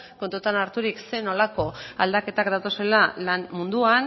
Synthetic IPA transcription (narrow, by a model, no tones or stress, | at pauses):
ko̞nt̪ut̪anaɾt̪uɾikse̞no̞lako̞a̰ld̪ake̞t̪akd̪at̪o̞se̞lalanmund̪uan